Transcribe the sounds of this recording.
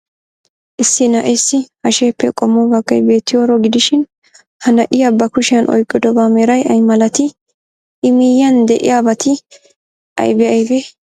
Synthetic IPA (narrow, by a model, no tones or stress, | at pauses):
ʔɪsːɪnɐʔesːɪhɐʃeːpːɛkʼɔmːɔbɐɡɐjbe̞ːt̪ːɪjoːɾɔɡɪd̪ɪʃɪn | hɐnɐʔɪjɐbːɐkʊʃɪjɐnʔɔ̰jkʼːɪd̪ɔbaːmeːɾɐjɐjmɐlɐt̪ɪ | ʔɪmɪjːɐnd̪ɛʔɪ̰jabɐt̪ʰɪ | ʔɐ̰jbɛɐjbɛ